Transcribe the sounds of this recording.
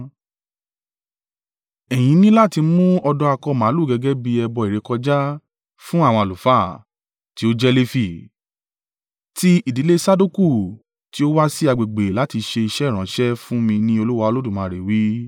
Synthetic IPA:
ɛ˨j̃ĩ˨˦nĩ˦la˦˨ti˧mũ˦ɔ˧dɔ˧a˧kɔ˧˨mã˨˦lu˦˨ɡɛ˨˧ɡɛ˦bi˧ɛ˧bɔ˧i˨ɾe˨˧kɔ˧d͡ʒa˦ | fũ˦a˦˨wɔ̃˧a˨lu˨fa˦˨ | ti˨˦o˦d͡ʒɛ˦le˦fi˧˨ | ti˦i˦˨di˨˦le˦sa˦du˦ku˦˨ | ti˨˦o˦wa˦si˦a˧ɡ͡be˨ɡ͡be˨la˨˦ti˧ʃe˧i˧ʃɛ˦˨ɾ̃ã˨˦ʃɛ˦fũ˦mĩ˧nĩ˦o˧lu˦wa˧o˧lo˦dũ˦˨mã˨ɾe˨wi˨˦

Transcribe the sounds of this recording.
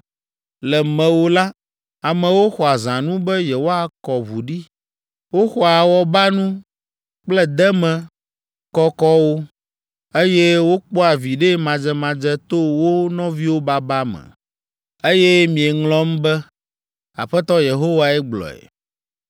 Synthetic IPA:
lɛ˨mɛ̃˨wo˦la˦ | a˨mɛ̃˨wo˦xɔ˨a˨zã˨nũ˦bɛ˦je˨wo˦a˦˨kɔ˨βu˨ɖi˦ | wo˦xɔ˦a˨wɔ˦ba˦nũ˦ | k͡plɛ˦d̪ɛ˦mɛ̃˨ | kɔ˦kɔ˦wo˦ | e˦jɛ˦wo˦k͡pɔ˦a˨vi˨ɖe˦mã˨d͡ʒɛ˦mã˨d͡ʒɛ˦t̪o˦wo˦nɔ̃˦vi˦wo˦ba˨ba˦mɛ̰̃˨ | e˦jɛ˦mĩ˨e˨ŋlɔ̃˦m̩˦bɛ˦ | a̰˨ɸɛ˦t̪ɔ˦je˨ɦo˦wa˨ɛ˦ɡ͡blɔ̰˨ɛ̰˨

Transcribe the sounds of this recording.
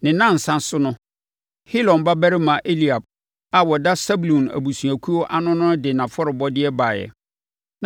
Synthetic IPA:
nɪ̃˨nã˦˨n̩˨sã˦sʊ˦nʊ̃˦ | hi˦lɔ̃˨nba˦bæ˦ɾɪ˦mã˨ʔe˦li˨a˨b̚ | a˨wɔ˨da˦sɛ˦bu˨lũ˨næ̰˨bu˨su˨æ˨kʷʰu˦ɔ˦ʔa˦nʊ̃˦nʊ̃˦dɪ˨nã˨fɔ˦ɾɪ˨bɔ˦dɪ˦ɛ˦ba˨jɛ̰˨

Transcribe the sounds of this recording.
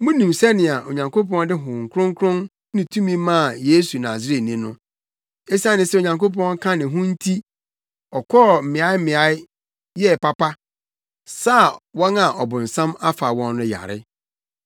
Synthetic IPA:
mʊ̃˦nĩ˨msɛ˦nɪ̃˨a˨ʔo˨ɲã˨ŋkʰo˦pɔ̃˦n˦dɪ˦ɦʊ̃˨ŋ˨kʰɾʊ̃˦ŋ˦kʰɾʊ̃˦n | nɪ̃˨tʰũ˦mĩ˦mã˦˨jeː˦su˨nãː˨s̬ɪ˦ɾe˦tnĩ˦nʊ̃˦ | e˦si˦ã˦nɪ̃˦sɛ˦o˨ɲã˨ŋko˦p̬ɔ̃˦ŋ˦kʰã˦nɪ̃˨ɦʊ̃˦n̩˦tʰi˦ | ɔ˨kʰɔː˦˨m̩˨mɪ̃˨a˦ɪ˦mɪ̃˨a˦ɪ˦ | jɛ˦˨pa˦pa˦ | sa˦˨wɔ̃˦na˨ʔɔ˨bʊ̃˨n̩˨sã˦ma˦fa˨wɔ̃˦nːʊ̃˦ja̰˨ɾɪ̰˦

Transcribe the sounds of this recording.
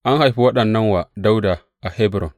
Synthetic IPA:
ʔa˦nha˨jɸi˦wɐ˦ɗɐ˨nːa˦nwa˨da˦wda˨ | ʔa˨he˦bɾo̰˨n

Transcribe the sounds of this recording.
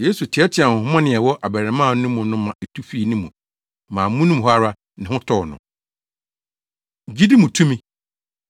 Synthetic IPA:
je˦su˨tʰɪ˨ɛ˦tʰɪ˨a˨hʊ̃˨hʊ̃˦mã˦nɪ̃˨ɛ˨wɔ˦ʔa˨bɛ˨ɾɛ˨mã˦˨nʊ̃˦mʊ̃˨nʊ̃˦mã˨e˨tʰu˦fi˦˨nʊ̃˦mũ˨ | mã˨mũ˦nʊ̃˦m˨ɦɔ˦a˦ɾa˦ | nɪ̃˨hʊ̃˦tʰɔ˦˨nʊ̰̃˨ | d͡ʑi˦di˦mũ˨tʰũ˦mĩ˦

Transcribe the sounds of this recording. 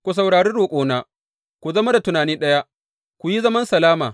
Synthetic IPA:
kʷu˨s̬a˨wɽaː˨ɽeː˦ɽoː˨kʷʼoː˦naː˦ | kʷu˨zɐ˦ma˦da˨tʊ˨naː˨niː˦nɗɐ˦ja˦ʔ | kʷu˨ji˦zɐ˦mɐ˦nsɐ˨laː˦maː˨

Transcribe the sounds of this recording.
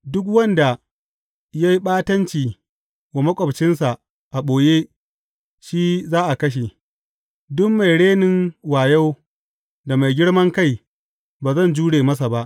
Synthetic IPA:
dʊ˦k̬wɐ˦nda˨ | ja˦ji˦ɓaː˦tɐ˦nt͡ʃiː˨ | wa˨mɐ˦kʷʼɔ˨bt͡ʃɪ˦nsa˨ʔ | ʔa˨ɓoː˨je˦ | ʃiː˦zaː˦ʔa˨kɐ˦ʃ̬e˨ | dʊ˦mːa˨jɽeː˦nɪ˦ŋwaː˨ja˦w | da˨ma˨jɡʲɪ˦ɽmɐ˦ŋka˦˨j | baː˨zɐ˦˨nd͡ʒuː˦ɽeː˨mɐ˦s̬a˨ba˦ʔ

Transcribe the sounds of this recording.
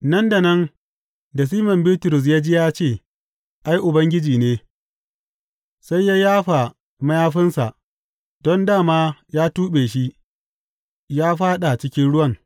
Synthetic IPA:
nɐ˦nda˨nɐ˦n | dɐ˨s̬iː˦mɐ˨mbiː˦tʊ˨ɾʊ˨s̬jaː˦d͡ʒi˦jaː˦t͡ʃeː˦˨ | ʔa˦jʔʊ˨bɐ˦ŋɡʲɪ˦d͡ʒiː˨neː˦ | sa˦jːa˦jaː˦ɸa˨ | mɐ˦jaː˦ɸɪ˦nsa̰˨ʔ | dɔ˦ndaː˦˨maː˦jaː˦tuː˦ɓeː˨ʃi˦ | jaː˦ɸaː˦ɗa˨t͡ʃɪ˦kʲɪ˦nɽʊ˦wɐ˦ŋ

